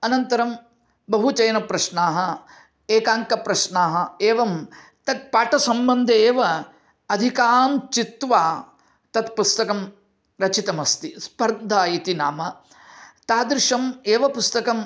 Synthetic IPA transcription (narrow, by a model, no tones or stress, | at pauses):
ɐnɐnt̪ɐɾɐm | bɐɦut͡ʃɐjɐnɐpɾɐʃnaːɦɐ | eːkaːŋkɐpɾɐʃnaːɦɐeːʋɐm | t̪ɐt̪̚paːʈɐsɐmbɐnd̪ʱɐeːʋɐ | ɐd̪ʱikaːmt͡ʃit̪ʋaː | t̪ɐt̪pust̪ɐkɐm | ɾɐt͡ʃit̪ɐmɐst̪ispɐɾd̪ʱaːit̪ina̰ːmɐ | t̪aːd̪ɾɪʂɐmeːʋɐpust̪ɐkɐm